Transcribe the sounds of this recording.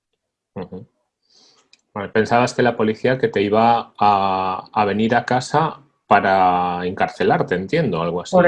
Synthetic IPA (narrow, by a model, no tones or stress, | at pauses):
h̩h̩ | anpe̞nsaβaske̞lapo̞liθiake̞t̪e̞iβ̞aː | β̞e̞niɾakasa | paɾaeŋkaɾθe̞laɾt̪e̞ːnt̪jend̪o̞alɣoas